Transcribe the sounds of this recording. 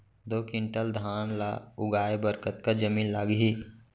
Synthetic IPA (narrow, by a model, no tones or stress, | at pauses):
d̪oːkɪ̃ɳʈəld̪ʱaːnla̰ʊɡaːebəɾkət̪̚kad͡ʒəmiːnlaːɡɦi